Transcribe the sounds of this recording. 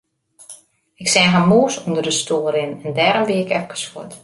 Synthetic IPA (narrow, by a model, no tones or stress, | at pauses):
ɪksɛɦamuːsundərdəstoːəɾɪnɛndɛːɾəmbiɪkɛfkə̥sot